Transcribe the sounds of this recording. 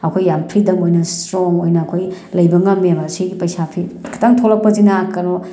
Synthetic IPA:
ɐkʰojːampʰɾidɐŋojnɐstɾoŋojnɐːkʰoj | lɐjbɐŋɐmːeɐmɐsiɡipɐjsapʰikʰḁtʰaŋtʰolɐk̚pɐzinaːkːɐno

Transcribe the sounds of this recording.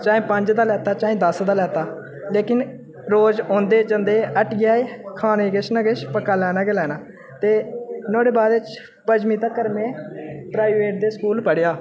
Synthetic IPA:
t͡ʃãːẽːpəɲd͡ʒd̪aːlɛːt̪aːt͡ʃaːẽːd̪əsd̪aːlɛːt̪aː | leːkɪn | ɾoːzõːnd̪eːd͡ʒənd̪eːʔəʈʰɡɪjaːeːkʰaːneːɡɪʃnaːɡeʃpəkːaːlɛːnaːɡelɛːnaː | t̪eːnoːɽeːbaːd̪ɪt͡ʃ | pəd͡ʒmiːt̪aːkəɾmẽːpɾaːiʋeːʈ̚d̪eːskuːlpəɽɪjaː

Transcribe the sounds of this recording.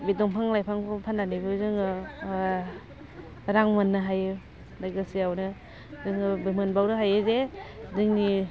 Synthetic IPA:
bidɔŋpʰaŋlajpʰaŋbɯpʰandanibɯzɯŋɯ | ɾaŋmanːɯɦajɯ | daɡɯsiawnɯ | zɯŋɯbɯmɯnbawɾɯɦajɯzedɯŋni

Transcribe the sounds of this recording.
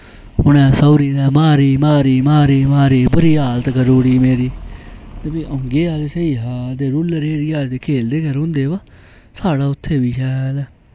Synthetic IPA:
hʊɽ̃ɛ̃ːsɔːɾiːnɛːmaːɾiːmaːɾiːmaːɾiːmaːɾiːbəɾiːaːlət̪kəɾoːɽiːmeːɾiːt̪əbiːʔə̃ŋɡeːaːlesəiːɦaːd̪eːɾʊlɾeːɾiːaːlt̪eːkʰeːld̪eːɡəɾɦʊ̃nd̪eːbaː | saːɽaːʊt̪ʰːeːbiːʃɛːlɛː

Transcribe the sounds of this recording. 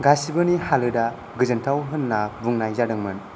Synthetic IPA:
ɡasibɯnihalɯda | ɡɯzɯntʰawɦɯnːabuŋnajzadɯŋmɯn

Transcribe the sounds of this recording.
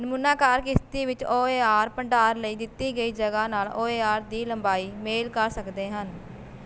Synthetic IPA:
nəmuːnãːkaːɾkɪst̪iːʋɪt͡ʃoːeːaːɾpəɳɖaːɾləiːd̪ɪt̪ːiːɡəiːd͡ʒəɡaːnaːloːeːaːɾd̪iːləmbaːiːmeːlkəɾsəkd̪eːɦən

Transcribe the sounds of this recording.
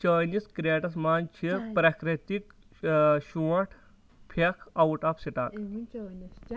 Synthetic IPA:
t͡ʃəːniskɾieːʈɐsmaːnt͡ʃʰipɾakɾit̪ik | ɕuɐʈʰ | pʰekʰɐwʈaːpsiʈa̰ːk

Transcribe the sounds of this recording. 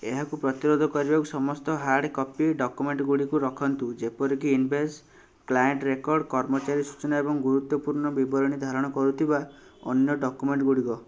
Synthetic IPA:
eɦakupɾɔt̪iɾod̪ʱɔkɔɾibakusɔmɔst̪ɔɦaɾɖkɔpiɖɔkumeɳʈɡuɽikuɾɔkʰɔnt̪ud͡ʒepɔɾikiːnbʱes | klajeɳʈɾekɔɾɖkɔɾmɔt͡ʃaɾisu̥t͡ʃɔnaebɔŋɡuɾut̪ːɔpuɾɳɔbibɔɾɔɽ̃id̪ʱaɾɔɽ̃ɔkɔɾut̪ʰiba | ɔ̰njɔɖɔkumeɳʈɡuɽikɔ

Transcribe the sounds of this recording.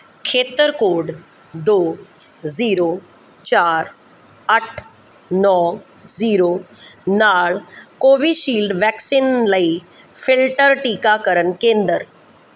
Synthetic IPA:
kʰeːt̪əɾkoːɖ | d̪oː | ziːɾoː | t͡ʃaːɾ | əʈʰ | nɔː | ziːɾoːnaːɭkoːʋiʃiːlɖʋɛːksinləi | fʰɪlʈəɾʈiːkakəɾənkẽːnd̪əɾ

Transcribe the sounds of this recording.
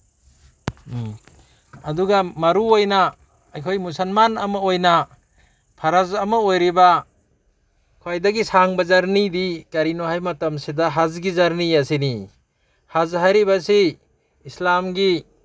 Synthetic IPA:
ɐduɡamɐɾuojnaː | jkʰojmusɐlmanɐmɐojnɐ | pʰaɾazɐmɐojɾiba | kʰwajdɐɡisaŋbɐzaɾnidikɐɾinohajmɐtɐmsidaɦazɡizaɾniasini | hazɦajɾibasiː | slamɡi

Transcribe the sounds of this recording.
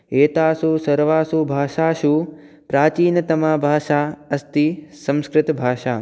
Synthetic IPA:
eːt̪aːsusɐɾʋaːsubʱaːʃaːʃu | pɾaːt͡ʃiːnɐt̪ɐmaːbʱaːʃaːɐst̪isɐ̃mskɾɪt̪bʱaːʃaː

